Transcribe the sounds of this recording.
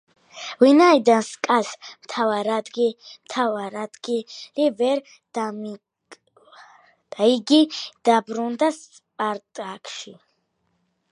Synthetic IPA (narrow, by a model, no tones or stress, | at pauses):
vinajd̪anskʼasmt̪ʰavaɾad̪ɡimt̪ʰavaɾad̪ɡilivɛɾ | d̪̥am | d̪̥aiɡid̪̥abɾund̪as | pʼaɾt̪ʼakʃi